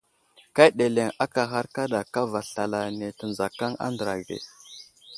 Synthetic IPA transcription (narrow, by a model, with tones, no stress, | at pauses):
ka˦ɗe˨le˨ŋa˦ka˨ɦa˦ɾka˦da˨ka˦va˨ɬa˨la˨ne˨tə˨nza˨ka˦ŋa̰˦ndə˨ɾa˨ɡḛ˨